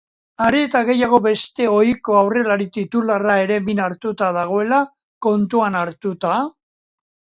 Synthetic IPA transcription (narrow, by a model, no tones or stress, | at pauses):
aɾie̞t̪aɣe̞jaɣ̞o̞βe̞st̪e̞o̞jko̞awre̞laɾit̪it̪ularae̞ɾe̞minaɾt̪ut̪aðaɣ̞o̞e̞la | ko̞nt̪uanaɾt̪ut̪a